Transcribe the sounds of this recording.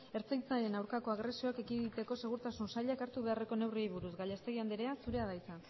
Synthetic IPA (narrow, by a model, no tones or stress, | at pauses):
e̞ɾt͡sajt͡saɾe̞nawɾkako̞aɣɾe̞sio̞ake̞kiðit̪e̞ko̞se̞ɣ̞uɾt̪asunsaʎakaɾt̪uβe̞are̞ko̞ne̞wriejβuɾuzɡaʎest̪e̞ɣiand̪eɾe̞asuɾe̞aðajsan